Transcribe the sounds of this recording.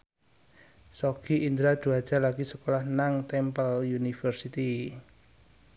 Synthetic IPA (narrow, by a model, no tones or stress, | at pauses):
sɔɡ̥iʔind̪ɾḁd̪̥ṳad̥ʒ̥a̤laɡisəkolahnaŋt̪ɛmpəljunifərsit̪i